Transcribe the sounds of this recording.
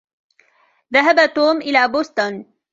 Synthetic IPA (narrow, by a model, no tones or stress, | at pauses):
ðaɦabat̪uːmʔɪlaːbʊst̪ʊn